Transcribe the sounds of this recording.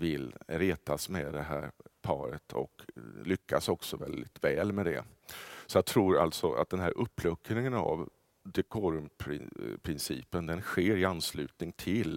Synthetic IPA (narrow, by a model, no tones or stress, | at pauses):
vɪlɾeːt̪asmɛd̪ɛɦæːɾpʰɑːɾə̰t̪ʰɔ̰klʏkʰːasɔksɔvɛld̪ɪt̪vɛːlmɛd̪ɛ̰ | sɔjaɡt̪ʰɾuːɾa̰lt̪sɔʔa̰t̪̚d̪ɛnɦæːɾʔɵpːlɵkːnɪŋəna̰v | d̪ɛkʰoːɾɵmpʰɾɪ̰pʰɾɪnsḭːpənd̪ɛnɧeːɾɪanslʉ̟ːt̪nɪŋt̪ʰɪl